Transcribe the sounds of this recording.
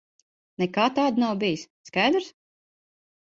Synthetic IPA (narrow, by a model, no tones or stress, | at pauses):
nɛkaːt̪aːd̪nawbijis | skajd̪ɾs